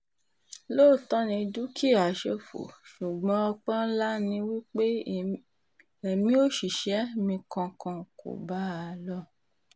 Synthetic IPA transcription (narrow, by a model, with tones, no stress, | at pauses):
loː˦˨tɔ̃˨˦nĩ˧du˦kʰi˦˨a˨ʃe˧fo̰˨ʃu˨ɡ͡bɔ̃˨˦ɔ˧k͡pã˦la˦nĩ˧˦wi˦k͡pe˦ | ɛ˨mĩ˦o˦ʃi˨ʃɛ˨˦mĩ˧kã˧kã˧ko̰˨ba˨˦a˧lɔ˦˨